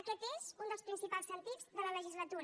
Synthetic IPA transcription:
əkɛt̪ezund̪əlˠspɾinsipalˠsənt̪ibzðələləʒizlət̪uɾ

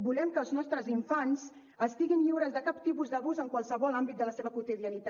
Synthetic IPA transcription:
bulɛmkəːlˠznɔst̪ɾəziɱfanz | əst̪iɣinʎiwɾəzðəkap̚t̪ipuzd̪əβuzəŋkwalˠsəβɔlambit̪̚d̪ələseβəkut̪iðiənit̪a

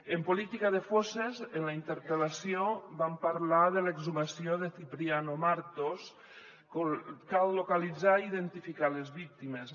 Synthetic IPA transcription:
empolit̪ikaðefosezenlaint̪eɾpelasiobampaɾlaðeleɡzumasioðeθipɾianomaɾt̪os | kokalːokalid͡zaiðent̪ifikalezβik̚t̪imes

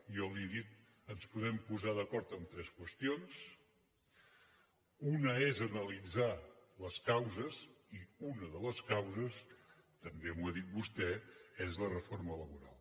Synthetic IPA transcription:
jɔlieðit̪ | ənspuðɛmpuzaðəkɔɾt̪əmt̪ɾɛskwəst̪ions | unəezənəlid͡zaləskawzəziunəðələskawzəs | t̪əmbemwuəðit̪̚bust̪ɛezlərəformələβuɾa̰lˠ

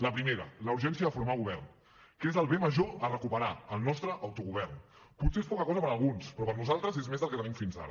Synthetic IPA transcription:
ləpɾimeɾə̰ləuɾʒɛnsiəðəfuɾmaɣuβ̞ɛrn | kezəlˠβeməʒoərəkupəɾaəlˠnɔst̪ɾəʔːwt̪uɣuβ̞ɛrn | puseespɔkəkɔzəpəɾəlˠɣunspɾɔpəɾnuzalˠt̪ɾəzezmezðəlˠkət̪ənimfinza̰ɾə̰

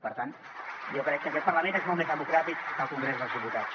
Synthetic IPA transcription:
pəɾt̪an | jokɾɛkːəkɛt̪̚pəɾləmẽnezmolˠmezðəmukɾat̪ikkəlˠkuŋɡɾezðəlðiput̪at̪s

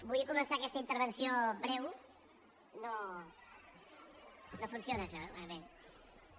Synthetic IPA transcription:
bujəkumənsakɛst̪əint̪əɾβ̞ənsiobɾɛw | no | nofunsionəːʃɔɛaβe

